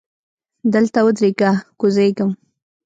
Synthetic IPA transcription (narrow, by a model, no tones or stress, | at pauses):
d̪əlt̪awəd̪ɾiɡakʊzejɡəm